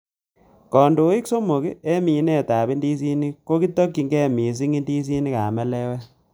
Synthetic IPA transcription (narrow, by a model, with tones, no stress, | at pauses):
kɔ˨ndo˨i˦kso˦mo˨ki˦e˦mi˨˦nɛ˦˨ta˨bi˦ndi˦s̬i˦ni˦ko˦ki˦to˦kːi˨ŋɡɛ˦˨mi˨s̬i˦ŋi˦ndi˦s̬i˦ni˦ka˨mɛ˦lɛ˦wɛ˦